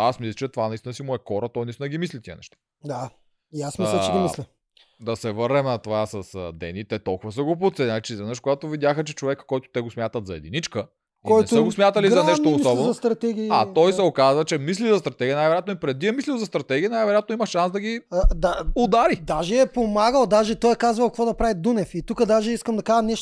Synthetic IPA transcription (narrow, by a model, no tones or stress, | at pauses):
asmislɐt͡ʃɛt̪ovanɐist̪inəsimʊɛxɔɾət̪ɔjnist̪inəɡʲimislit̪iə̰nɛ̰ʃt̪ḁ | d̪a | jasmislt͡ʃɛɛmilʲi | d̪ɐsɛvəɾnɛmnɐt̪ovasɐsə̰d̪ɛ̰nit̪ɛt̪olˠkʊvəsəɡop̬ot̪sɛnat͡ʃɛizvid̪əʃkoɡat̪ovid̪jaxət͡ʃɛt͡ʃovɛkə̥kːɔjt̪ʊ̥t̪ɛɡosmʲjat̪ət̪zɐɛ̰d̪init͡ʃkə | kɔnj̪ɛst̪oəɡosmʲjat̪ɐlizɐnɛʃt̪oːsɔbɛnɐst̪ɾɐt̪ɛɡʲiːat̪ɔjsɛokazvɐt͡ʃɛmislizɐst̪ɾɐt̪ɛɡʲiənajvɛɾʲjat̪noipɾɛd̪ːiɐmislilˠzɐst̪ɾɐt̪ɛɡʲiənajvɛɾɛjat̪noimɐʃansd̪ɐɡid̪aod̪aɾid̪aʒɛɛpomaɡəlˠd̪aʒɛt̪ɔjɛkazvɐlˠkɐkvɔd̪ɐpɾavid̪unɛfit̪ukəd̪aʒɛiskəmd̪ɐkaʒɐnɛʃ